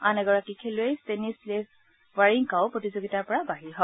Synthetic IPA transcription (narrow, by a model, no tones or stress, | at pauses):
anɛɡɔɹakikʰelʊejstenisle | waɹiŋkaʊpɹotizoɡitaɹpɔɹabaɦiɹɦɔ